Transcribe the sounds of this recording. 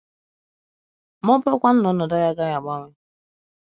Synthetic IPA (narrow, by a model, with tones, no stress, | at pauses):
mɔ˦pɔ˦kʷa˦n̩˦nɔ˦nɔ˨da˦ja˦ɡa˦ja˨ɡ͡ba˦ŋʷɪ˦